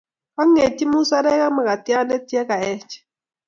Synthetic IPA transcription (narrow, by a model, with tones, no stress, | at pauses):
a˦ŋe˨ti˦mu˦sa˦ɾɛ˦ka˦ma˨ka˨ti˦a˦nɛ˦ti˦ɛ˦ka˨ɛ˦t͡ʃɛ̥˨